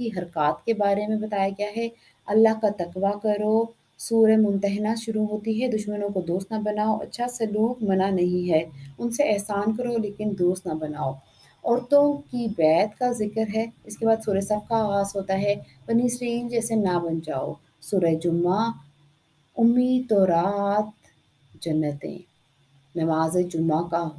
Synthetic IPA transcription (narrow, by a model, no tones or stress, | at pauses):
kiɦɐɾkaːt̪kebaːɾemẽbɐt̪aːjaɡɐjaɦɛ | ɐlːaɦkat̪ɐkwakɐɾoː | suːɾemʊ̃nt̪əɦɪnaʃʊɾuɦoːt̪iɦɛd̪ʊʃmənõkod̪oːst̪nabɐnaːoʔɐ̰tːʃʰasɐluːkmɐnanɐɦĩɦɛːʊnseɛːɦsaːnkɐɾoleːkɪnd̪oːst̪nabɐnaːoː | ɔːɾt̪ʊ̃kibɛːt̪kazɪkəɾɦɛɪskebaːd̪suːɾesaːb̚kaːɣaːzɦoːt̪aɦɛ | pɐnisɾəiːld͡ʒɛːsenabɐnd͡ʒaːo̰ | suːɾəd͡ʒʊmːa | ʊmːiːd̪̚t̪ɔːɾaːt̪ | d͡ʒɐnːət̪ḛ̃ː | nɐʋaːzed͡ʒʊmːakaɦ